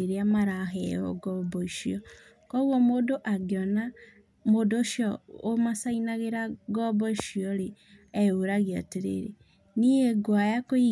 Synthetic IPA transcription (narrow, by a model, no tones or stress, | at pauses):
eɾeamaɾaɦɛjɔ̰ɡɔbɔiʃiɔ | kɔɣwɔmoːdoʔaɡeɔna | moːdoːʃjɔomasainaɣeɾaɡɔbɔiʃiɔɾe | ɛoɾaɣeateɾḛɾḛ | niɛɡwajakoi